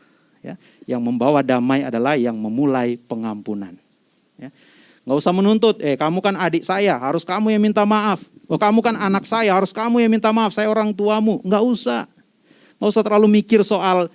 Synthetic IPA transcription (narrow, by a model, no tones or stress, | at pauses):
ja̰ | jaŋməmbawadamaja̰dalahjaŋməmulajpəŋampuna̰n | ja | ŋɡausamənunt̪ʊt̪̚ɛkamukanadɪʔsajaɦaɾʊskamujaŋmint̪amaʔafwəkamukananak̚sajaɦaɾʊskamujaŋmint̪amaːfsajaoɾaŋt̪uamuŋɡaʔusah | ŋɡausaht̪ərlalumikɪrsoal